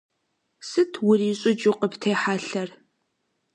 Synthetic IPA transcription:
sɨtʰwʊriːɕʼʊt͡ʃʼʊqəptʰeːħaːɬɐr

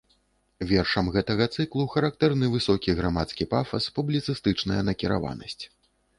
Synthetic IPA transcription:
vʲɛrʂɐmɣɛt̪ɐɣɐt̪sɨklˠuxɐɾak̚t̪ɛrnɨvɨsɔkʲiɣɾamat̪skʲipafɐspublʲit̪sɨst̪ɨt͡ʂnɐjɐnɐkʲiɾa̰va̰nɐ̰sʲt͡sʲ

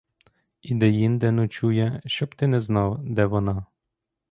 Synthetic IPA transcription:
id̪ɛjind̪ɛnʊt͡ʃujɛʃt͡ʃɔbt̪ɪnɛznɑwd̪ɛʋɔnɑ

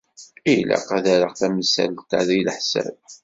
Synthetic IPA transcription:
ilæ̰qæðæɾəqθæmsæ̰lt̪aðijlħsæ̰b

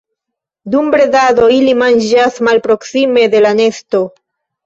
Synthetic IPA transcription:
dumbɾe̞dado̞ilimand͡ʒasmalpɾo̞ksime̞de̞lane̞sto̞

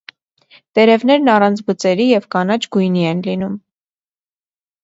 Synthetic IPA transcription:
t̪ɛɾɛvn̪ɛɾnɑrɑnt͡sʰbət͡sɛɾijɛvkɑnɑt͡ʃʰɡujniɛnlinum

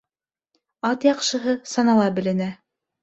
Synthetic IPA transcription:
ɑt̪jɑqʃɤ̆ɦɤsɑnɑlˠɑbɘ̆lɘ̆næ

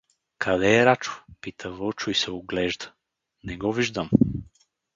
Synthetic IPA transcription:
kʰɐd̪ɛːɾat͡ʃʊ̥pit̪ʰəvɔt͡ʃʊisɛoɡlɛʒd̪ə̥ | nɛɡɔviʒd̪əm

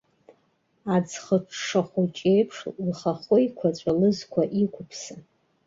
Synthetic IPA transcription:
ad͡zχəʈ͡ʂʰʂaχʷʊt͡ʃʼejpʰʂlχaχʷʊjkʷʰat͡ɕʷʼalɨzkʷʰaʔikʷʰʊpʰsa

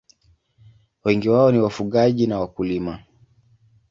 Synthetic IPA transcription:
wɛŋɡiwaɔniwafuɠaʄinawakulima

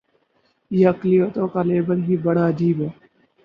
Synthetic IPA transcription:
jeɐklijot̪õːkaleːbəlɦiːbɐɽaəd͡ʒiːbɦɛː

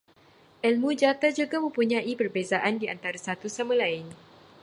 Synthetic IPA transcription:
ʔɛlmud͡ʒat̪ad͡ʒuɡamə̃mpuɲãipərbezaʔandiant̪aɾasat̪usamalaɪn

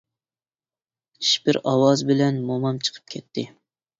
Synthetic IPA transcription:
t͡ʃʰi̥ʃbɪɾɑwɑzbɪlɛnmomɑmt͡ʃʰə̥qʰə̥p̚kʲʰɛt̪ʰːɪ

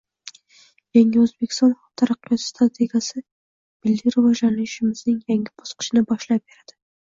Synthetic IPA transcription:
jaŋʲɪɵzbekʲʰɪ̥st̪ɒnχɒt̪ʰaɾaqːɨjɒt̪st̪ɾat̪ʰe̞ɡʲasɪ | bɪlːiɾʊvɒd͡ʒlanɪɪʃɪmɪznɪŋjaŋʲɪbosqɨ̥ʃɪnɪbɒʃlap̚b̥e̞ɾad̪̥ɪ

